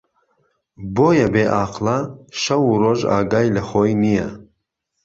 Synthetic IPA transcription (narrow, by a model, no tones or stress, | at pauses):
boːjɐbeʔaːqlaʃɐwuɾoʒa̰ːɡajlɐxojnijɐ̰